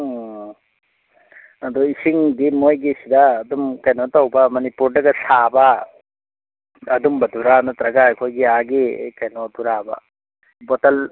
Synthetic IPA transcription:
ad̪ɔisiŋdimojɡisidaːdumkajnɔtawbamɔnipuɾdɐɡasaba | ɐdumbɐdʱuɾanɔt̪ɾɐɡajkʰɔjɡiaɡḭkajnɔduɾaba̰ | bɔtal

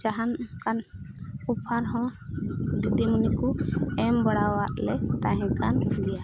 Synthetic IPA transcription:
d͡ʒaɦankanupʰaɾɦɔ̃ | d̪id̪imnikuɛmbɔɽawaʔlɛt̪aɦɛ̃kanɡ̪ija

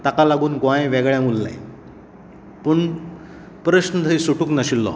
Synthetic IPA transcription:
t̪akalaɡuːnɡãjẽʋɛɡɭjãŋɡulːa̰j | pəɳ | pɾəɕnət̪ʰəisuʈuːknəɕilːɔ̰

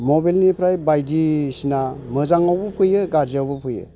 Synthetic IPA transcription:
mobalnipʰɾajbajdisinamɯzaŋawbɯpʰɯjɯɡad͡ʒiawbɯpʰɯjɯ̰

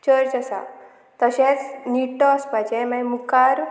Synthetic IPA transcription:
t͡ɕəɾt͡ɕəsa̰ | t̪əɕẽt͡sniʈːɔəspajt͡ɕẽmãjmukaɾ

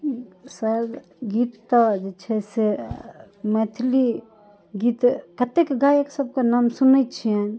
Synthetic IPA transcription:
sə | ɡit̪ːɔd͡ʒet͡ʃʰɛse | met̪ʰli | ɡit̪kət̪ekɡajeksəb̚kenamsunəjt͡ʃʰiɛ̃n

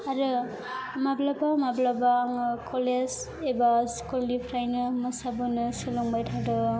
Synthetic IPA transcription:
aɾɯ | mablabamablabaːŋɯkʰoles | ebaskullipʰɾajnɯmɯsabɯnɯsɯlɔŋbajtʰadɯ

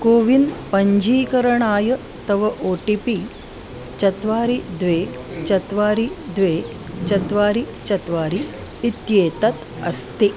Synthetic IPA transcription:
koːʋinpɐɲd͡ʒʱiːkɐɾɐɳaːjɐ | t̪ɐʋɐʔoːʈipi | t͡ʃɐt̪ʋaːɾid̪ʋeː | t͡ʃɐt̪ʋaːɾid̪ʋeː | t͡ʃɐt̪ʋaːɾi | t͡ʃɐt̪ʋaːɾiː | t̪jeːt̪ɐt̪ɐst̪i

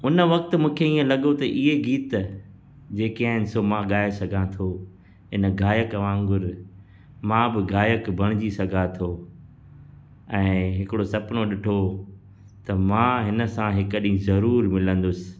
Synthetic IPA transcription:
ʊnəʋɐkt̪̆mũːkʰeiːẽlɐɠot̪ɐʔɪɦeɡiːt̪ | d͡ʑeːkaːɦɪnɪ̆somãɠaːesɐɡʱãt̪ʰo | ɦɪnə̆ɡʱaːjəkɐʋãːŋɡʊɾ | mãːbɪɡaːjəkbʱɐɽ̃ɪd͡ʑisɐɡʱat̪ʰoː | ɛ̃ːɦɪkɪɽosɐpnoɗɪʈʰo | t̪ɐmãːɦɪnə̆sãɦɪkəɗĩzɐɾuːɾmɪlə̃nd̪ʊsɪ̥̆

